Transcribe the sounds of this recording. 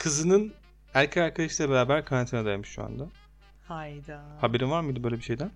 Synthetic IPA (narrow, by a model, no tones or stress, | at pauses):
kʰɯzɯnɯn | æɾcʰeaɾkʰad̪aʃi̥lʲɛbeɾaːbæɾkʰaɾant̪ʰinad̪ajmɯʃʃṵa̰nd̪a | hajd̪ahabe̞ɾinvaɾmɯjd̪ɯbøjlʲebiʃejd̪æn